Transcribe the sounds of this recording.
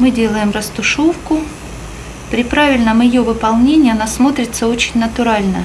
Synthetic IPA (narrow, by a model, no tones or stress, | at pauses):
mɨdʲe̞lˠəjɪmrəst̪ʊʂofkʊ | pɾʲɪpɾavʲɪlʲnəmjɪjovɨpɐlˠnʲenʲɪjɐnasmo̞t̪ɾʲɪt̪səo̞t͡ɕɪnʲnət̪ʊɾalʲnə